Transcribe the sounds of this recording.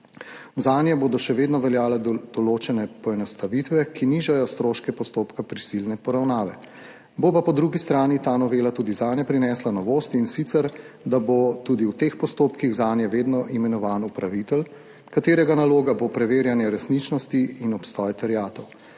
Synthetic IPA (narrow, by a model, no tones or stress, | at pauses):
zaːnjɛboːd̪ɔʃɛʋeːd̪nɔʋɛljaːlɛd̪̥ɔloːt͡ʃɛnɛpɔɛnɔst̪aʋit̪ʋɛkʰiniːʒajɔst̪ɾoːʃkɛpɔst̪oːpkapɾisilnɛpɔɾawnaːʋɛ | bopapɔd̪ɾuɡist̪ɾaːnit̪aːnɔʋeːlat̪uːd̪izaːnjɛpɾinɛːslanɔʋoːst̪insit̪sɛɾ | d̪abot̪ud̪iwt̪expɔst̪oːpkiɣzaːnjɛʋeːd̪nɔʔimɛnɔʋaːnupɾaʋit̪ɛl | kat̪eːɾɛɡanaloːɡabopɾɛʋeːɾjanjɛɾɛsnit͡ʃnɔst̪iinɔpst̪ɔːjɛt̪ɛɾijaːt̪ɔw